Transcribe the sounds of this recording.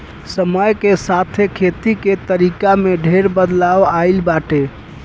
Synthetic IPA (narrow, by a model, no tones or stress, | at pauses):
səməjkesat̪ʰekʰet̪iket̪əɾikameɖʱeɾbəd̪laʋaɪlbaʈe